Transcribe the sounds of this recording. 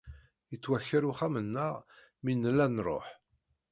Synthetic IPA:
jət͡sːwæçːəɾuχæmənːəʁ | minːəlːænrˤo̰ħ

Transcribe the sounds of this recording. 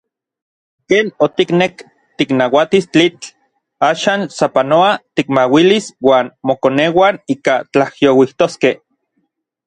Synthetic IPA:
keːnot̪iknek | t̪iknawat̪ist͡ɬit͡ɬ | aːʃaːnsapanoat̪ikmawiliswaːnmokoneːwaniːkat͡ɬahjowiht̪oskeh

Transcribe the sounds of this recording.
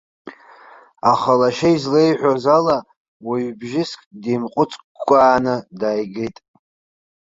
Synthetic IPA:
aχalaʃaizlejħʷᶣozala | waɥbʒɪskʼdimqʷʼʊt͡sʼkkʷʼːaːnɨdaːjɡejtʼ

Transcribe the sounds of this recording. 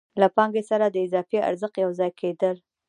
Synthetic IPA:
lapɑŋɡesaɾad̪əɪzɑfea̰ɾzəqjawzɑjkʰed̪əl

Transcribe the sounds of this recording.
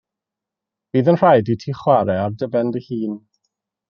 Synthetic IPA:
b̥iːðənr̥ajditʰiːχwaɾɛardəbɛndəhiːn

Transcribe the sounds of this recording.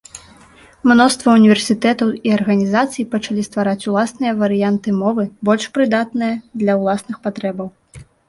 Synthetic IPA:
mnɔst̪vɐunʲivʲɛrsʲit̪ɛt̪ɐwiɐrɣɐnʲizat̪sɨjipɐt͡ʂalʲist̪vaɾat͡sʲulˠasnɨjɐvɐɾɨjant̪ɨmɔvɨbɔlʲʂpɾɨd̪at̪nɨjɐd̪lʲɐwlˠasnɨxpat̪ɾɛbɐw

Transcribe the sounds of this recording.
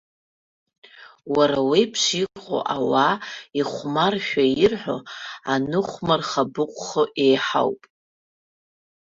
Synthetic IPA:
waɾawijpʰʂiqʼo̰ʔawaiχʷmarʃᶣairħʷᶣo̞̰anɨχʷmarχabɨqʷʼχəʔejħa̰wpʼ

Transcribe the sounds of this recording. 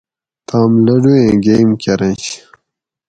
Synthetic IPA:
t̪aːmlɐɖuẽːɡejmkʲɐɾɐ̃nɕ

